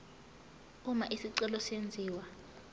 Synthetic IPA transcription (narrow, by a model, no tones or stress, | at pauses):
umaʔisiǀɛlɔsend͡zʱiːwa